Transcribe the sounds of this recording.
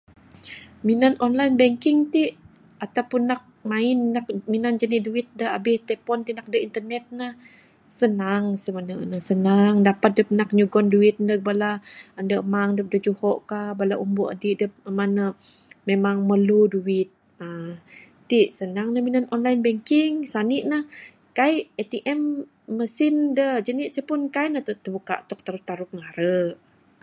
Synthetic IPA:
minanɔnlainbɛŋkɪŋt̪iʔ | at̪awpʊnːak̚mainːak̚minand͡ʒaniduit̪̚dəa̰bɪht̪ɛpɔnt̪inak̚dəint̪ərnɛt̪̚nah | sənaŋsimanənəsənaŋdapat̪̚dəp̚nak̚ɲuɡɔnduit̪̚ndəkbalaəndəʔmaŋdəp̚dəd͡ʒuhɔʔkabalaʔumbuʔə̰diʔdəp̚əmanə | memaŋməluduɪt̪̚ | ə | t̪iʔsənaŋnəminənɔnlajnbɛŋkiŋsaniʔnah | kaiʔet̪iʔɛmː | əsindəd͡ʒəniʔsəpʊnkaiʔnət̪ət̪əbuka̰ʔt̪ɔk̚t̪aɾut̪aɾuk̚ŋaɾəʔ

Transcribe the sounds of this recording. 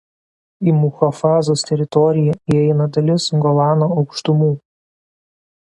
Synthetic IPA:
iːmʊxɐfɑːzoːst̪ʲɛɾʲɪt̪ɔɾʲɪjɛiɛɪnɐd̪ɐlʲɪsɡɔlˠɑːnoɒʊkʃt̪ʊmuː

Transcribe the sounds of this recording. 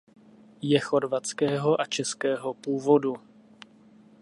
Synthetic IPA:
jɛxo̞ɾvat͡skɛːɦo̞ʔat͡ʃɛskɛːɦo̞puːvo̞du

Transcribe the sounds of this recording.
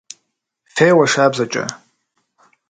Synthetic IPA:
fejwaʂabzat͡ʃʼɐ̰

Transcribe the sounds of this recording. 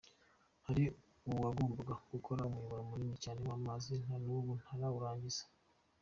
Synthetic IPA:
haɾi | uβaɡoːmbaɡaɡ̥ukʰo̞ɾaumwijuβaɾomuɾiːmicaːne̞mamazin̥hanuβun̥haɾaβuɾaːɲɟiz̥ḁ

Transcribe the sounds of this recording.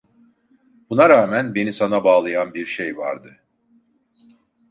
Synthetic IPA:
bunaɾaːmænbe̞nisanabaːlˠɯjanbiɾʃejva̰ɾd̪ɯ

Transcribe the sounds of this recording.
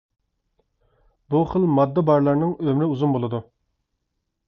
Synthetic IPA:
buχəlˠmɑd̪ːəbɑɾlˠɑɾnɨŋømɾɪuzumbolˠɨd̪u

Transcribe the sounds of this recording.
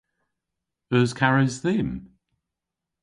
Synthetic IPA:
əzkʰaɹɪzðɪm

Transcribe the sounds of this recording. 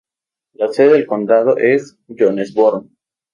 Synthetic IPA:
laseðeðelko̞nd̪að̞o̰ʔes | ʝonesboɾn

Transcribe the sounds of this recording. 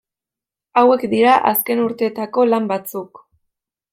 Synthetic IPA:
awe̞kd̪iɾaʔaske̞nuɾt̪e̞ːt̪ako̞lambat͡suk

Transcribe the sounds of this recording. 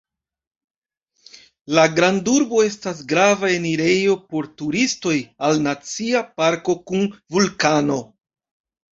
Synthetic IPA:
laɡɾanduɾbo̞e̞stas̬ɡɾavae̞niɾe̞jo̞po̞ɾtuɾisto̞jalnat͡siapaɾko̞kunvulkano̞

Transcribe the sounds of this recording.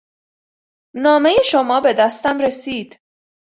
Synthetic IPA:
nɒːme̞jeʃo̞mɒːbe̞d̪æst̪æmɾe̞siːd̪̥

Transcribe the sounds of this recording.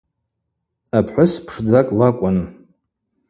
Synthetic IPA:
apʰħʷʊspʰʂd͡zakʼlakʷʼanɨ

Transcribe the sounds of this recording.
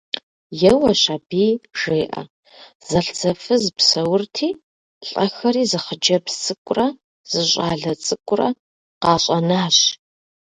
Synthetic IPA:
jɛwɐɕabiːʒ̥eːʔɐ̰ | z̥ɐɬd͡zɐfɨzɨpsɐwʊrtʰiː | ɬʼɐxɐɾiːzɨχəd͡ʒɐbsʼɨkʷʼʊrɐ | z̥ɨɕʷʼaːɮɐt͡sʼɨkʷʼʊrɐ̰ | qɑːɕʼɐnaːɕ

